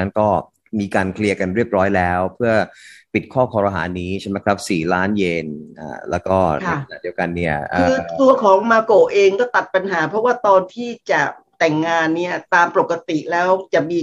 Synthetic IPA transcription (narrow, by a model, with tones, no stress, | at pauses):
a˦˥nkɔː˥˩ | miː˧kaː˧nkʰli˧əka˧nɾi˥˩əp̚ɾɔː˦˥jlɛː˦˥wpʰɯ˥˩ɐpi˨˩t̪̚kʰɔː˥˩kʰɔː˧ɾa˧ɦa̰ː˩˦nːiː˦˥t͡ɕʰa˥˩ma˦˥jkʰɾa˦˥p̚siː˨˩laː˦˥njeː˧nʔa̰ː˨˩lɛː˦˥wkɔː˥˩na̰˧˩kʰa˧na˨˩di˧əwka˧nːi˥˩ɐʔʰɯː˨˧t̪u˧ɐkʰɔː˩˦ŋmaː˧ko˨˩ʔeː˧ŋkɔː˥˩t̪a˨˩t̪̚pa˧nɦaː˩˦pʰɾɔ˦˥waː˥˩t̪ɔː˧nt̪ʰiː˥˩t͡ɕa˨˩ | t̪ɛ˨˩ŋːaː˧nːi˦˥˩ɐt̪aː˧mpo˨˩kːa˧t̪i˨˩lɛː˦˥wt͡ɕa˨˩miː˧